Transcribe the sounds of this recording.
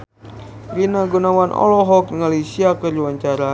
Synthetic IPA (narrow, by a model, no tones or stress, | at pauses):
ɡinaɡunawanʔɔ̰lɔɦɔk̚nəŋalisiakəruwaɲt͡ʃaɾa